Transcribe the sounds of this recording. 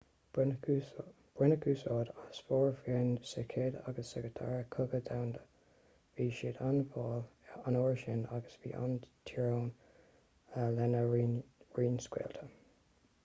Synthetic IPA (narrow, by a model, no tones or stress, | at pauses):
b̥ɹɪnəkʰuːsɔːd̪asfɔːɹfiɹnsɛkʰeːda̰ɡəsːɛkɹətʰa̰ːɹəkʰʊɡədawnd̪ə | viːʃɪdanvɑːlanoːɹʃɪnaɡəsvḭːʔa̰nt̪ʰiɹoːn | əlɛnəɹiːnskwɛ̰ːltʰə